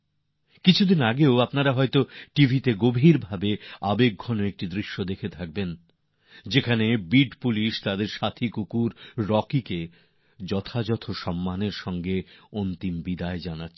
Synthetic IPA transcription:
kit͡ɕʰud̪inaɡeoapnaɾaɦɔet̪oʈibʱit̪eɡobʱiɾbʱabeabeɡ̚ɡʱɔnoek̚ʈid̪ɾiʃːod̪ekʰet̪ʰak̚ben | d͡ʑekʰanebiɖpuliʃt̪ad̪eɾʃat̪ʰikukuɾːɔkike | d͡ʑɔt̪ʰad͡ʑɔt̪ʰoʃɔmːaneɾʃɔŋɡeont̪imbid̪aed͡ʑanatːʰ

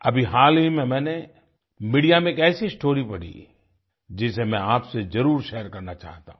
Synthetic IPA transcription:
ɐbʱiɦaːlbimẽmɛ̃ːne | miːɖijamẽkɛːsiɪsʈoːɾipɐɽ̤ḭ | d͡ʒɪsemɛ̃aːpsezɐɾuːɾʃɛːjəɾkɐɾnat͡ʃa̰ːɦt̪a̰ɦũ

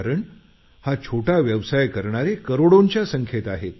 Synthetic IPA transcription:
ɾəɳ | hat͡ɕʰoʈʰaʋjəʋsajkəɾɳ̃aɾekəɾoɽoɲt͡ɕjasəŋkʰjet̪aɦe

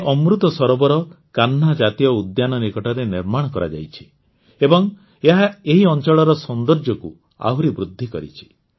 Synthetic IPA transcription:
ʔɔmɾut̪ɔsɔɾɔbɔɾɔkanːad͡ʒat̪ijɔud̪janɔnikɔʈaɾeniɾmaɽ̃ɔkɔɾa̰d͡ʒa̰jt͡ʃʰi̥ | ebɔŋ | eɦaeɦiɔnt͡ʃɔɭɔɾɔsɔnd̪ɔɾd͡ʒɔku | a̰ɦuɾibɾud̪ʱːikɔ̰ɾḭt͡ʃʰi̥

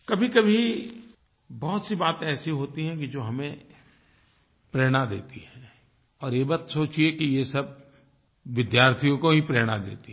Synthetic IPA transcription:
kɐbʱikɐbʱi | bɔːʊt̪sibaːt̪ẽɛːsiɦoːt̪iɦɛ̃kid͡ʒoːɦɐmẽ | pɾeːɽ̃ad̪ḛːt̪iɦɛ̃ | ɔːɾeːbaːt̪soːt͡ʃiekijesɐb̚ | ʋɪd̪jaːɾt̪ʰijõkoɦipɾeːɽ̃ad̪ḛːt̪i

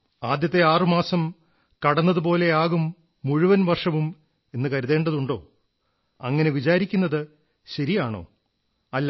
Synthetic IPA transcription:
aːd̪jɐt̪ːe̞aːrɨmaːsɐm | kɐɽɐnːɐðup̬o̞ːle̞aːɣumː | uɻuʋɐnʋɐrʂɐʋum | e̞nːɨkɐɾuðe̞ːɳɖɐðuɳɖo̞̰ː | ɐŋːɐne̞ʋit͡ɕaːɾikʲːunːɐðɨ | ɕɐɾijaːɳo̞̰ː | ɐlː

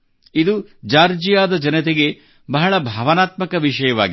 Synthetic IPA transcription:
id̪ud͡ʒaːɾd͡ʒijaːd̪ɐd͡ʒɐnɐt̪eɡe̞ | bɐɦɐɭɐbʱɐʋɐnaːt̪mɐkɐʋiʃɐjɐʋa̰ːɡi

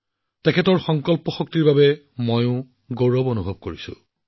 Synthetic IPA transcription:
tɛkʰɛtɔɹxɔŋkɔlpɔxɔk̚tiɹbabɛ | mojʊ̃ | ɡoɹɔbonubʱobkoɹisʊ̰̃

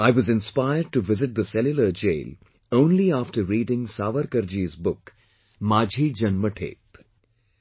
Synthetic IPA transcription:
aɪʋʌzɪ̃nspaɪəɾɖ̚ʈuʋɪzɪʈ̚d̪əsɛljʊləɾd͡ʒḛːl | õʊ̃nliaːfʈəɾɾiːɖɪ̃ŋsaːʋəɾkəɾd͡ʒiːzbʊk | maːd͡ʒʱid͡ʒʌ̃nməʈʰḛːp

